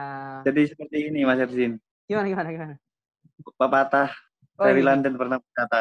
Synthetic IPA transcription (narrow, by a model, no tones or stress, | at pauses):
d͡ʒadisəpərt̪iːnimasɛrsin | ɡ̥imanaɡimanaɡimana | papat̪ah | saɾilandənpərnahbət͡ʃat̪a